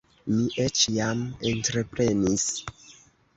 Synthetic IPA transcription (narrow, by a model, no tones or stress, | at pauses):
miʔet͡ʃjamentɾe̞pɾe̞nis